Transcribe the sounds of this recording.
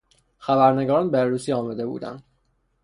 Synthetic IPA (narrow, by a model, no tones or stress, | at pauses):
xæbæɾneɡɒːɾɒnbeɾuːsiɒːmæd̪e̞bṵːd̪æ̰nd̪